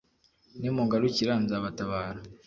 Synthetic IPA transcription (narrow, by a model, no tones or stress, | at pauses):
nimuŋɡaɾuciɾaːnzaβataβaːɾa